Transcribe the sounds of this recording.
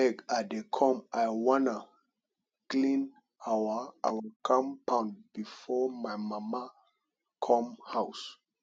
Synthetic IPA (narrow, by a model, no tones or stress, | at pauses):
ɛɡadekʰɔ̃majwɔ̃na | klĩn | awaawakʰãmpãʊ̃nbifɔmajmama | kʰɔ̃mhaws